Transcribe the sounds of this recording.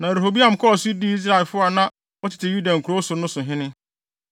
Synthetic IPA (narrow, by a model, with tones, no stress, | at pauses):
nã˨ɾe˨ɦo˨bi˦ã˨m̩˨kʰɔ˦ɔ˨sʊ˦di˦i˦s̬ɾa˨ɛ˨lfʊ˦a˨nã˦ | wɔ˦tʰɪ˨tʰɪ˨ju˦dã˨ŋ̩˨ku˨ɾo˦sʊ˨nʊ̃˦sʊ̃˨ɦɪ̃˦nɪ̃˦